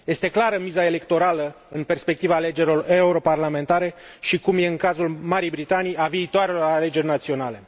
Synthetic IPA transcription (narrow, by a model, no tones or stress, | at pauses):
je̞st̪e̞klaɾəmizae̞le̞kt̪o̞ɾalə | ɨnpe̞rspe̞k̚t̪ivaːle̞d͡ʒe̞ɾʲlo̞re̞uɾo̞parlame̞nt̪aɾe̞ | ʃikumje̞ɨŋkazulmaɾijbɾit̪anijaviːt̪oaɾe̞lo̞ɾale̞d͡ʒe̞rʲnat̪sio̞nale̞